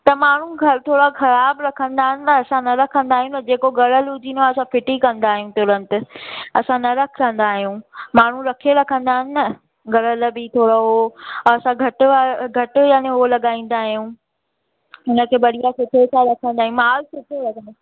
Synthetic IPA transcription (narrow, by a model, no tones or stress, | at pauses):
t̪ɐmaːɳ̤ũɡɐɾt̪ʰoːɽaxɐɾaːbɾɐkʰə̃nd̪aːɦɪnɪnɐɐsãnɐɾɐkʰə̃nd̪aːɦijũnɐd͡ʑeːkoɡɐɽəlʊd͡ʑiːnaɐsãfɪʈikɐ̃nd̪aːɦijũt̪ʊːɾə̃nt̪ɪɐsãnɐɾɐkʰkɐ̃n̆d̪aːɦijũːmaːɳ̤ũɾɐkʰioɾɐkʰə̃nd̪aːɦɪnɪnɐ | ɡɐɽəlbit̪ʰoːɽoɦoɐsãɡʱɐʈaɡʱɐʈʊjaːneɦolɐɠaːĩːn̆d̪aːɦijũ | ʊnə̆kʰeːbɐɽijasʊʈ̪ʰet͡ɕʰaɾɐkʰə̃nd̪aːijũmaːlsʊʈ̪ʰolɐɡə̃nd̪o